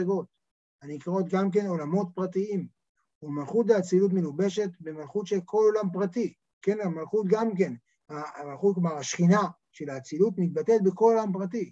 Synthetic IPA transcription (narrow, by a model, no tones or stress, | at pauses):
eɡo̞t̚ | anikʁo̞t̪ɡamk̬e̞no̞lamo̞t̪̚pʁatiim | umalχut̪veat͡silut̬melube̞ʃe̞t̪be̞malχut̪ʃe̞lkʰo̞lo̞lampʁati | ke̞namalχut̪ɡamk̬e̞n | amalχut̚kmaʁaʃχina | ʃe̞laːt͡silut̪mit̪̚batet̚beko̞lo̞lampʁati